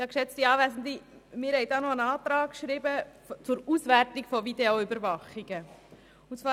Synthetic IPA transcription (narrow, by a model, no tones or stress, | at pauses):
jɑːkʃɛt͡stiɑːvæzn̩d̪imɪːɾhɛɪd̪ɑːnɔənɑːt̪ɾɑːkkʃɾibə | t͡sʊɾusvæɾtikfɔvideoʏbəɾvɑχiɡə | ʊnt͡svɑː